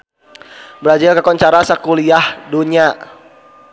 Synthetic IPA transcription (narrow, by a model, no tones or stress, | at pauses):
bəɾad͡ʒɪlkəkɔɲt͡ʃaɾasakuliahduɲa